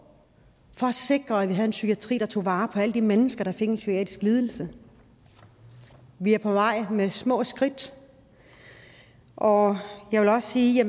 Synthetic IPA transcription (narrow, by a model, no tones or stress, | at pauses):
fɒ̽æse̝ɡ̥ʁɐæʋiɦæð̞̩ˠe̝nsykʰiæt͡sʰʁḭːd̥ɑ̈t͡sʰo̝̰ːʋɑ̈ːpʰɒ̽æləd̥imenəsɡ̥ɐɾ̥ɑ̈fe̝ɡ̥ensy̥iɛ̰ːd̥isɡ̥liːð̞ˠl̩sə | ʋiæɐpʰɒ̽ʋɑ̈ɪ̰mesmɔ̰̽ːsɡ̥ʁid̥ | ʔɒjɑ̈ɪʋe̝lɒ̽ssiːjæ